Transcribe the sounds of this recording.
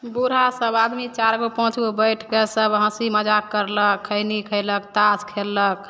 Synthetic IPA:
buɾ̤asəbad̪mit͡ʃaɾɡopɔ̃ɦt͡ʃubəjʈʰkesəbɦə̃siməd͡ʒakːəɾləkʰːəɪnikʰəɪlək̚t̪askʰelːək

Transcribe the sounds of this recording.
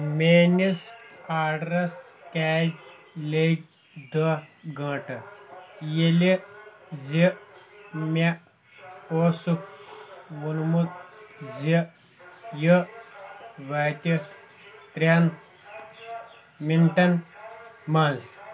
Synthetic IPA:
meːnisaːɽɾɐskaːzʲ | leɡ | d̪ɐɡɐ̃ːʈɐ | jelizi | me | oːsuk̚ | munmut̪zi | jə | ʋaːt̪ʲi | t̪ɾʲan | minʈɐn | mãːnz

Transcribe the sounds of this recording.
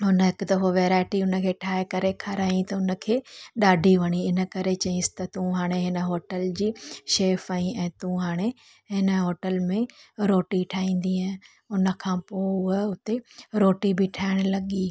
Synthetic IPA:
ɦʊnɦɪkt̪ɐfoʋeːɾaːɪʈiʊnəkʰeːʈʰaːekɐɾekʰɐɾaːĩt̪ɐʊnə̆kʰeːɗaːɖʱiʋɐñiɪnə̆kɐɾet͡ɕɐĩsɪ̥t̪ɐt̪ũɦaːɽ̃eɦɪnə̆ɦoːʈəld͡ʑiːʃeːfaĩɛ̃ːt̪ũɦaːɽ̃e | ɦɪnə̆ɦoːʈəlmẽɾoːʈiʈʰaːĩːn̆d̪iɦ | ʊnə̆kʰãːpoːʊʊt̪eɾoːʈibʱɪʈʰaːɪɽ̃lɐɠiː

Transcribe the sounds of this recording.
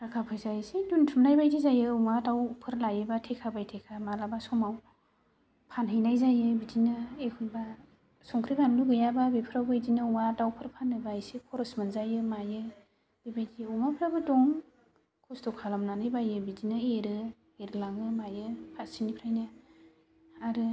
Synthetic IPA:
ɾakʰapʰɯjzajɯseduntʰumnajbajdizajɯumadawpʰɯɾlajɯbatʰekʰabajtʰekʰamalabasɔmaw | pʰanɦɯjnajzajɯbidinɯekʰunba | sɔŋkʰɾibanluɡɯjababipʰɯɾawɡɯidinɯuŋadawpʰɯɾpʰanːɯbajsikʰɔɾɔsmanzajɯmajɯ | dibajdiɔmapʰɾabɯdɔŋ | kʰɔstɔkʰalamnanɯjbajɯbidinɯeɾɯ | eɾɯlaŋɯmajɯpʰatsinipʰɾajnɯ | aɾɯ

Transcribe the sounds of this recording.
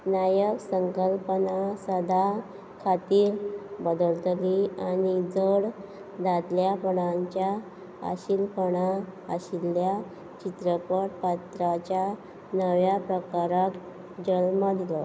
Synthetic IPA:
najəksəŋkəlpənasəd̪ʱa | kʰat̪iːɾbəd̪əlt̪lianid͡zəɽ | d̪ad̪ljapəɽ̃aɲt͡ɕja | a̰ɕilpəɽ̃aːɕilːja | t͡ɕit̪ɾəpəɽpat̪ɾat͡ɕja | nəʋjapɾəkaɾat̪ | d͡ʑəlməd̪ʱlɔ

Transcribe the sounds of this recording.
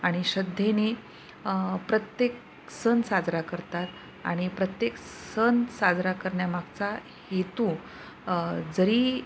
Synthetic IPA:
aɽ̃iɕəd̪ʱjene | pɾət̪jek̚ | sənsad͡zɾakəɾt̪at̪ | a̰ɽ̃ipɾət̪jeksənsad͡zɾakəɾɳjamaɡt͡sa | het̪ũ | d͡zəɾiː

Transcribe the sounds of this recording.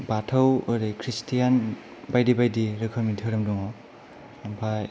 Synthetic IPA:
batʰawɾekʰɾistijan | bajdibajdiɾɯkʰɯɾmitʰɯɾɯmduŋɔ | bʰaj

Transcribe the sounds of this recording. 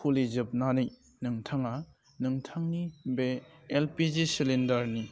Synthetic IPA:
pʰulid͡ʒɯp̚nanɯj | nɯŋtʰaŋa | nɯŋtʰaŋnibeːlpid͡ʒisilindaɾni

